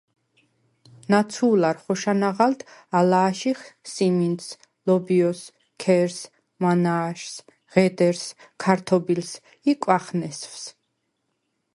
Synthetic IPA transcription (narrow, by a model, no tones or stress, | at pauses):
nat̪sʰuːlaɾχɔʃanaʁalt̪alaːʃiχsimins | lɔbiɔs | kʰɛɾs | manaːʃs | ʁɛd̪ɛɾskʰaɾt̪ʰɔbils | ikʼwaχnɛsfs